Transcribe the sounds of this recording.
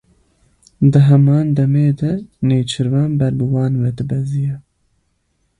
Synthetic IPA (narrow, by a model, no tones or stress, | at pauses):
d̪ɨɦɛmɑːnd̪ɛmeːd̪ɐneːt͡ʃʰɨɾvɑːnbɛɾbɨwɑːnvɛd̪ɨbɛzijɛ